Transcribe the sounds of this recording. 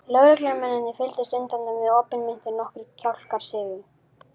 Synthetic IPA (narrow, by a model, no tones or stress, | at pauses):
lœɣɾɛklɛɣamɛnːɪnɪfɪlt̪ɪst̪ʏnt̪ant̪anvɛðoːpɪnmɪn̥t̪ɪɾnɔhkɪɾcʰawl̥kaɾ̥sɪːvɪ